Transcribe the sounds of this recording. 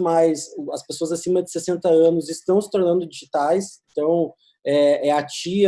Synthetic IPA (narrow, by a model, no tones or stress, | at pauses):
majsɐspesoɐzasĩmɐd͡ʒɪ̥sesẽnt̪ɐɐ̃nʊzɪst̪ɐ̃w̃sɪ̥t̪oɾnɐ̃nd̪ʊd͡ʒiʒit̪ajsẽnt̪ɐ̃w̃ | ɛɛat͡ʃi